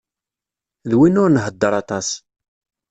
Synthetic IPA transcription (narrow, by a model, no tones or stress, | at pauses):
ðwinʊɾnɦəd̪ːəɾˤɑt̪ˤɑs